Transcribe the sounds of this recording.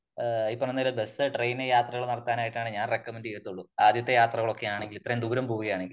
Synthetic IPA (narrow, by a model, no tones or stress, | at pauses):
ipːomenːɐlebe̞sɨʈrejnejaːt̪rɐɣɐɭnɐɽɐt̪ːaːnaːjiʈːaːɳɨɲaːnrekːɐmendɨket̪ːuɭːuaːd̪jɐt̪ːɐjaːt̪rɐɣɐɭo̞kːe̞jaːɳeŋɡilit̪ːrɐjemd̪uːɾɐmpoːʋuɣɐjaːɳeŋɡil